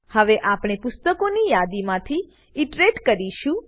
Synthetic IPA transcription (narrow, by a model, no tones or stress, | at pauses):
həʋeʔapɽ̃epʊst̪əkonijad̪imãt̪ʰi | iʈɾeʈkəɾiʃũ